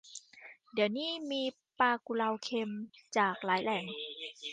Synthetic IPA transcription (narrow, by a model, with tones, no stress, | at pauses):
di˩˦əwniː˥˩miː˧ | paː˧ku˧la˧wkʰe˧mt͡ɕaː˨˩k̚laː˩˦jlɛː˨˩˦ŋ